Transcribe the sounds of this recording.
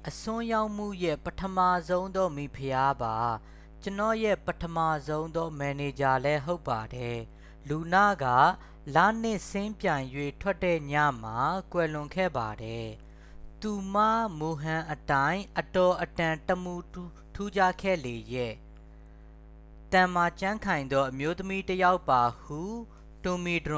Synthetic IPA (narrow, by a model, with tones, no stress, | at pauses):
ʔəsʊ̃˦ja˦ʊʔm̥ṵ˦˨jɛ˦˨pətʰəma˦˨zõ˦ʊ̃nd̪ɔ˦mi˨pʰəja˦ba˨ | t͡ɕənɔ̰˦˨jɛ˦˨pətʰəma˦˨zõ˦ʊ̃nd̪ɔ˦mɛ˨ne˨d͡ʑa˨lɛ˦ɦo˦ʊpːa˨dɛ˨ | lu˨nä̰˦˨ɡa̰˦˨ | lä̰˦˨n̥ɪ˦˨sɪ̃˦mpjã˨ɪ̃jwe˦˨tʰwɛ˦tːɛ̰˦˨ɲä̰˦˨m̥a˨kwɛ˨lʊ̃˨ŋkʰɛ̰˦˨ba˨dɛ˨ | t̪u˨ma̰˦˨mo˨ɦã˨ʔətã˦ɪ̃ʔətɔ˨ʔətã˨təmu˨ | tʰu˦d͡ʑa˦˨kʰɛ̰˦˨le˨jɛ˦˨ | t̪ã˨ma˨t͡ɕã˦ŋkʰã˨ɪ̃nd̪ɔ˦ʔəmjo˦t̪əmi˦təja˦ʊpːa˨hu˦˨ | tʊ˨mi˨dʊ̃˨